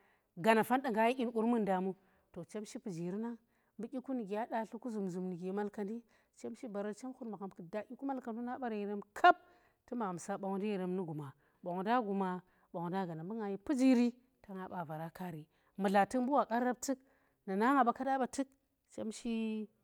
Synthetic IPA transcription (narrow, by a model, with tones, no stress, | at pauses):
ɡa˨na˨fa˦nda˨ŋɡa˨˦ji˦ʔʲi˦nku˦ɾmu˦nda˨mu˦ | to˨t͡ʃe˦mʃi˦pu˨d͡ʒi˨ɾi˦na˦ | mbu˦kʲi˦ku˦ni˨ɡi˨a˦da˨ɬu˦ku˦zu˨mzu˨mni˨ɡi˨˦ma˦lka˨ndi˦ | t͡ʃe˦mʃi˦ba˨ɾa˦t͡ʃe˦mxu˦ɾma˨ka˨mkɨ˨da˨kʲi˦ku˦ma˦lka˨ndu˦na˦ɓa˦ɾi˨ɾe˦mkʰa˦p̚ | tɨ˦ma˨a˨m˨sa˦ɓa˨ŋu˨di˦i˨ɾe˦mnu˦ɡu˨ma˨ | ɓa˨ŋu˨da˦ɡu˨ma˨ | ɓa˨ŋu˨da˦ɡa˨na˨mbu˦ŋa˨ji˦pu˦d͡ʒi˦ɾi˦ | ta˨˦ŋa˨ɓa˨va˨ɾa˦ka˦ɾi˨ | mu˨ɮa˨tɨ˦kmbu˦wa˨ka˦ɾːa˦b̚tɨ˦k | na˨na˦ŋa˨ba˨ka˦da˦ba˨tɨ˦k̚ | t͡ʃe˦mʃi˦